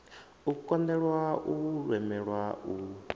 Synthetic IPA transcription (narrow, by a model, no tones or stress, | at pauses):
ukʼɔndɛɺwaʔuɺwɛmɛɺwau